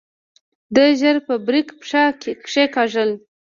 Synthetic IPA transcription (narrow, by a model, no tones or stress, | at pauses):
d̪əʒəɾpəbɾikpʂakepʂekɑʒəl